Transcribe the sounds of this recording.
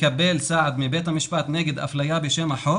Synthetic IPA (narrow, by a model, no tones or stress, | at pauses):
kabːelsaʕad̪mibeːt̪hamiʃbat̪neɡed̪ʔa̰flajabeʃemhaħo